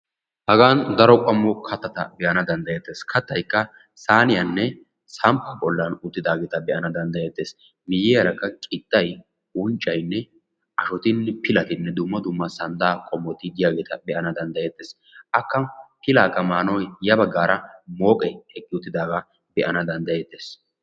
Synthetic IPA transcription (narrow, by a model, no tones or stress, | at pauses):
hɐɡaːnd̪ɐɾɔkʼɐmːɔkʰɐt̪ːɐt̪ɐ̰bɛʔɐnɐd̪ɐnd̪ɐjɛt̪ːeːskʰɐt̪ːɐjkːɐ | saːnɪjɐnːɛ | sɐmpːɐbɔlːɐnʊt̪ːɪd̪aːɡeːt̪ɐbɛʔɐnɐd̪ɐnd̪ɐjet̪ːe̞ːs | mɪjɛɐɾɐkːɐkʼɪt̪ːɐj | ʊnt͡ʃʼːɐjnːɛ | ɐʃɔt̪ɪnːɛpɪlɐt̪ɪnːɛd̪ʊmːɐd̪ʊmːɐsɐnd̪aːkʼɔmːɔt̪ɪd̪ɪjaːɡeːt̪ɐbɛʔɐnɐd̪ɐnd̪ɐjet̪ːeːs | ʔɐkːɐpɪlaːɡɐmaːnɔjjɐbɐɡːaːɾɐmo̞ːkʼɛjhɛkʼːɪʊt̪ːɪd̪aːɡɐ | bɛʔɐnɐd̪ɐnd̪ɐjet̪ːe̞ːs